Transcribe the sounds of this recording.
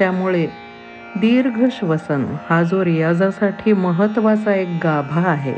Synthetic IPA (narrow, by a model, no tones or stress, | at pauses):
t̪jamuɭe | d̪iːɾɡʱəɕʋəsənhad͡zoɾjad͡zasaʈʰiːməɦət̪ʋat͡saek̚ɡabʱaːɦḛ